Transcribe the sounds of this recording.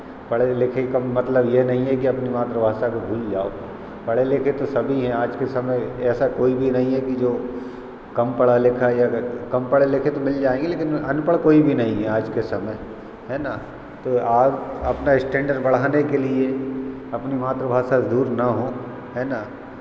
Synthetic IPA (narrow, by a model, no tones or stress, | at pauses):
pɐɽelekʰekamɐt̪ləbjenɐɦĩɦɛkiɐpnimaːt̪ɾəbʱaːʃakobʱuːld͡ʒaːo̰ | pɐɽelekʰet̪osɐbʱiɦɛ̃aːd͡ʒkesɐməjɛːsakoːibʱinɐɦĩɦɛkid͡ʒoː | kɐmpɐɽalɪkʰajakɐmpɐɽelɪkʰet̪omɪld͡ʒaːẽːŋɡeleːkɪnɐnpəɭkoːibʱinɐɦĩɦɛaːd͡ʒkesɐməj | ɦɛːna | t̪oaːɐpnaɪsʈɛ̃ːɳɖəɾbɐɽ̤aːnekelie | ɐpnimaːt̪ɾəbʱaːsad̪uːɾnaɦo | ɦɛːna